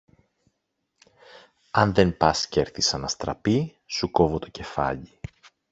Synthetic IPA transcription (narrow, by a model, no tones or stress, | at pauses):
ɐnðe̞npɐsceɾθisɐnɐst̪ɾɐ̰pi | suko̞vo̞t̪o̞̥ce̞fɐ̰ʎi